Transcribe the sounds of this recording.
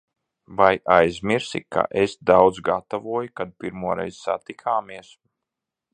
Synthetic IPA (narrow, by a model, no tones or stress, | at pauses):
vajʔajzʲmʲiɾsika̰ʔesd̪awd̪zɡat̪avuɔjkad̪̚piɾmuɔɾɛ̰jzsa̰t̪ikʰaːmiɛs